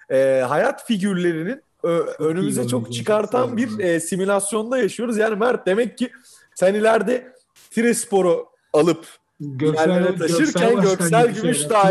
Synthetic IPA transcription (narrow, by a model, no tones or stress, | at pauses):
ɛːɦajat̪fiɟyɾlʲe̞ɾinin | øø̞nymyzɛt͡ʃʰo̞kt͡ʃʰɯkaɾt̪ʰanbiɾɛːsimulʲasjo̞nd̪ajaʃɯjo̞ɾuzjaːnimæɾt̪̚d̪e̞mɛcʰːi | sænilʲæɾd̪ɛ | t̪ʰiɾɛspo̞ɾo | alˠɯp | jælʲːeɾɛt̪ʰaʃɯɾcʰænɟø̞csælʲɟymmyʃd̪aː